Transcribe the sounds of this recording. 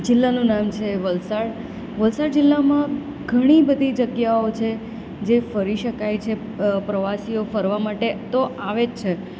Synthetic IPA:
d͡ʒɪlːanũnamt͡ʃʰeʋəlsaɽ | ʋəlsaɽd͡ʒɪlːamã | ɡʱəɽ̃ibəd̪ʱid͡ʒəɡjaot͡ʃʰe | d͡ʒefəɾiʃəkajt͡ʃʰe | pɾəʋasijofəɾʋamaʈet̪oʔaʋed͡ʒt͡ʃʰe

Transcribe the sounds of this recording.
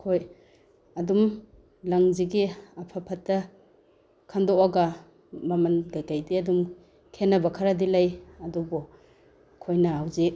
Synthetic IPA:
kʰoj | ɐdum | laŋziɡiapʰapʰatːɐ | kʰandɔaɡa | mɐmanɡajkajdiɐdum | kʰenabɐkʰaɾadilajɐdɔbɔ | kʰojnɐɦawze

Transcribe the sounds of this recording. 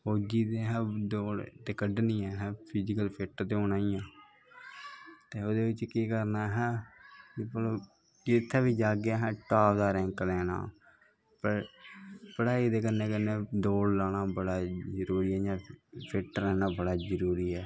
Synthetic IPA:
oːd͡ʒiːt̪eːɦɛ̃ːd̪oːlt̪eːkəɖnĩːãːɦɛ̃ːpʰɪd͡ʒɪkəlpʰɪʈt̪eːʊnaːijãː | t̪eːoːd̪eːʋɪt͡ʃkiːkəɾnaːɦɛːkipəlː | d͡ʒɪt̪ʰːaːʋiːd͡ʒaːɡɪaːɦɛ̃ːʈaːʋd̪aːɾɛ̃ːŋklɛːna̰ː | pəɾ | pəɽaːid̪eːkənːẽːkənːẽːd̪oːɽlaːnaːbəɽaːzəɾuːɾiːɦɛːd͡ʒãːpʰɪʈəlɛːnãːbəɽaːzəɾuːɾiːɛː

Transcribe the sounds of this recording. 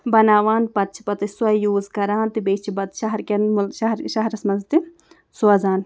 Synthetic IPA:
bɐnaːʋaːnpɐt̪̚t͡ʃʰi̥pɐt̪ɐsuɐjuːzkɐɾaːnt̪ibeːt͡ʃʰibɐt̪ʃɐɦɐɾkʲɐnmʃɐɦɾʃɐɦɐɾɐsmɐnzt̪i | suɐzaːn

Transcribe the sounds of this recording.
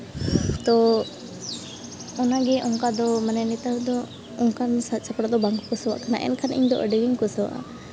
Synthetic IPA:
t̪ɔ | ɔnaɡɛʔɔŋkad̪ɔmanɛnit̪awd̪ɔ | ɔŋkansasapɽad̪ɔbaŋɡukɔsəwa̰ʔkana̰ʔɛ̰nkʰanḭɲd̪ɔ̰ʔə̰ɖiɡiŋkɔsɔwa̰ʔa̰

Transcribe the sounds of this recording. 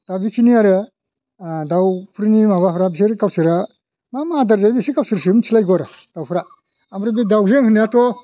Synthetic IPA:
d̥abikʰiniaɾɯ | dawpʰuɾinimaβapʰuɾabis̬eɾkawsiɾa | mamadaɾzajbisikawsiɾsimt͡ʃʰilajɡɔɾa | d̥awpʰuɾa | amɾibidawzeŋhɯniatɔ

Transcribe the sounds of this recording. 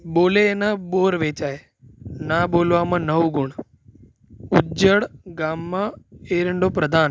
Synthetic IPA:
ɓoːlenãɓoːɾʋeːt͡ɕaːɦe | naɓoːlʋamãnɐʋuɡʊɽ̃ | ʊd͡ʒəɽɡaːmːaeːɾəɳɖopɾɐd̪ʱaːn

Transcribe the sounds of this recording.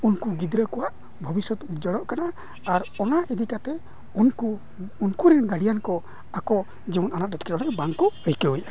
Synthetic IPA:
unkuɡid̪ɾəkɔwaʔ | bʱɔbisɔt̪utd͡ʒəɽɔʔkanaː | ɾɔnaʔid̪ikat̪ɛ | unkuː | nkuɾinɡaɽijankɔ | akɔ | d͡ʒiunanaʔ̚dɔt̪kɛɾɔlɛbaŋkɔəjkəujʔa

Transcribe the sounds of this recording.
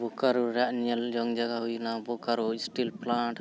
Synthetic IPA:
bʱukaɾuɾaʔneld͡ʒɔŋd͡ʒaɡaɦujnabukaɾuisʈilplaɳʈ

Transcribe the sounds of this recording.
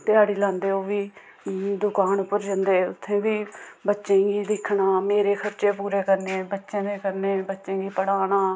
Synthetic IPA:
t̪ɪaːɽiːlãːnd̪eːoːʋiː | d̪ʊkaːnpəɾd͡ʒənd̪eːʊt̪ʰːẽːbiːbətːʃẽːɡiːd̪ɪkʰɳaːmeːɾeːkʰəɾt͡ʃeːpuːɾeːkəɾneːbətːʃẽːneːkəɾneːbətːʃẽːɡiːpəɽaːnaː

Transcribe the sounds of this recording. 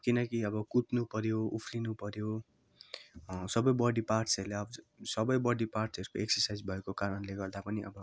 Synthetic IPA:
kinʌkiʌbʌkut̪nupʌɾjoupʰrinupʌɾjo | sʌbʌjbʌɽiparsʌrleʌbʌ | sʌbʌjbʌɽiparʈsʌɾukoeksʌrsajd͡zbʱʌekokaɾʌnleɡʌrd̪apʌniʔʌ̰bʌ

